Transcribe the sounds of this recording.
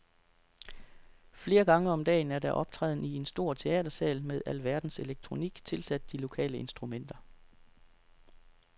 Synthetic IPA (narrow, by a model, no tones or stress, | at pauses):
fle̝ːɐɡ̥ɑ̈ŋəɒ̽md̥ɛ̰ːn̩æɐɾæʔɒ̽b̥̚t͡sʰʁɛ̰ːð̞ˠn̩ie̝nsd̥o̝ɐ̰t͡sʰe̝ɛ̰ːd̥ɐsɛ̰ːlmeðˠʔælʋæɐd̥n̩se̝leɡ̥̚t͡sʰʁo̝niɡ̥t͡sʰe̝lsæd̥̚ːilo̝kʰɛ̰ːləe̝nsd̥ʁumen̰d̥ɐ